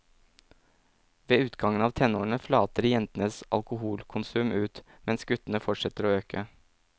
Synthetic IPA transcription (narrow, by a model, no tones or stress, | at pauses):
ʋeːʉːt̪ɡɑŋənɑːʋt̪ʰɛnoːɳəflɑːt̪əɾjɛnt̪nəsɑ̰lkʊhuːlkʰʊnsʉːmʔʉːt̪ | mɛnsɡʉt̪n̩əfɔʈʂɛt̪əɾoːøːkʰə